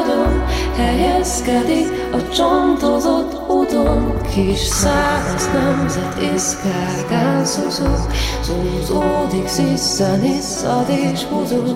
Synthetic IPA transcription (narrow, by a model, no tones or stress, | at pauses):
d̪onhɛjɛskɛd̪ik | ɒt͡ʃɔnd̪ozot̪ː | ud̪onkʰiʃsaːmɔsnɛmzɛt̪ʰiska | ɡasozoz̥ozod̪iksisːɛnisɒd̪eʃud̪o